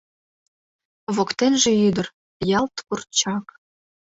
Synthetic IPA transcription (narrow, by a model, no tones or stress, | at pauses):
βokt̪enʒĕyd̪ə̆r | jɑlt̪pur̚t͡ɕɑk